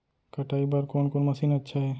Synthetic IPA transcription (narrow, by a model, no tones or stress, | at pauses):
kɐʈaːibaɾkoːnkoːnmɐsiːnɐtːʃʰaɦɛː